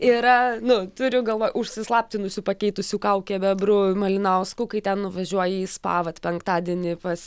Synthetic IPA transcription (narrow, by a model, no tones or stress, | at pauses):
ɪɾɐnʊt̪ʊɾʲʊɡɐlˠʋoːjʊʃʲsʲɪslˠɑːpʲt̪ʲɪnʊsʲʊːpɐkʲɛɪt̪ʊsʲuːkɐʊkʲɛbʲɛbɾʊmɐlʲɪnɐʊskuːkɐɪt̪ʲɛnnʊʋɐʒʲuɔjɛjiːspɑ̰ːʋɐt̪pʲɛŋkt̪ɑːd̪ʲiɛnʲɪpɐs